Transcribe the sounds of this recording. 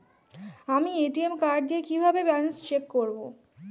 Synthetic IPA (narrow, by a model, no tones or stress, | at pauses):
amieʈiemkaɾɖ̚d̪ijekibʱabebɛnest͡ɕekːoɾbo